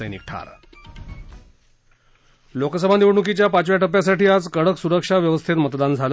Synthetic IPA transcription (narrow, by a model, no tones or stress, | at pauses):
əjnik̚ʈʰa̰ɾ | loksəbʱaniʋɳukit͡ɕjapat͡ɕʋjaʈəpjasaʈiːad͡zkəɽəksuɾəkʂaʋjəʋəst̪ʰit̪mət̪d̪and͡zʱal